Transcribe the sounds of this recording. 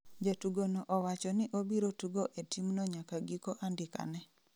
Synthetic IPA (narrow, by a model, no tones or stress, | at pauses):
d͡ʒatuɡonoʔɔwat͡ʃɔnɪʔobiɾotuɡoʔetimnɔɲakaɡikoʔandɪka̰nɛ